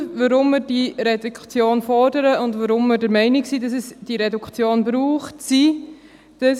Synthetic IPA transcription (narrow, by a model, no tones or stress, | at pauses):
vəɾʊmːɪɾd̥iɾɛdukχt͡sjoːnfɔɾdəɾəʊndvəɾʊmːəɾdəɾmɛɪnɪksiːdɑsɛsd̥iɾɛdukχt͡sjoːnbɾuːχtsi | d̥əs